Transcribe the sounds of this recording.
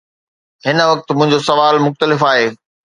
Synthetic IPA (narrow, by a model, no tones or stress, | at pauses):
ɦɪnəʋɐk̚t̪mʊ̃ɦɪ̃ɲd͡ʑosɐʋaːlmʊxt̪əlɪfaːɦeː